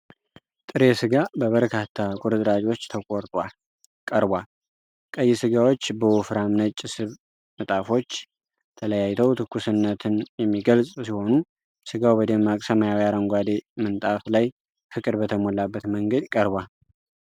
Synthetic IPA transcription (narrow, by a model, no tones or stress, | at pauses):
t̪ʼɨɾe̞sɨɡabəβəɾkʰat̪ʰːakʼuɾɨt̪ʼɾad͡ʒo̞t͡ʃːt̪ʰəkʼoɾt̪ʼwal | kʼəɾbʷal | kʼəjːɪsɨɡawo̞t͡ʃːbəwufɾamnət͡ʃʼːɪsɨβ | mɨt̪ʼafo̞t͡ʃː | t̪ʰələjajɪt̪ʰəwt̪ʰɨkʰːusɨnːət̪ʰɨnjɛmːiɡəlsʼsiho̞nu | sɨɡawbəd̪emːakʼsəməjawjaɾəŋɡʷad̪emɨnt̪ʼaflaj | fɨkʼɨd̪bət̪ʰəmolːabːət̪məŋɡəd̪kʼəɾbʷal